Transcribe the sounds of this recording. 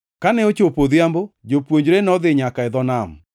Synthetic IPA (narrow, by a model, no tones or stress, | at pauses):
kanɛot͡ʃopoðjambod͡ʒopwoɲd͡ʒɾenɔðɪɲakaɪðɔnam